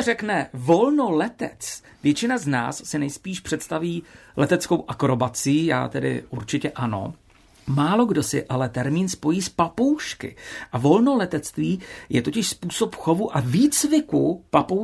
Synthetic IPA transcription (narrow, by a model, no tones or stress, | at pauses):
rɛknɛvo̞lno̞lɛt̪ɛ̰t͡s | vjɛt͡ʃɪnazna̰ːsːɪnɛjspiːʃpr̝̥ɛt̪st̪aviːlʔɛt̪ɛt͡skowʔakɾo̞bat͡sɪːja̰ːt̪ɛdɪ̰ʔuɾt͡ʃɪcɛʔano̞̰ | maːlo̞ɡdo̞sɪ̰ʔalɛt̪ɛɾmiːnspo̞jiːspapo̞wʃkɪ̰ʔavo̞lno̞lɛt̪ɛt͡st̪viːjɛt̪o̞cɪʃspuːsopxo̞vuʔaviːt͡svɪkupapow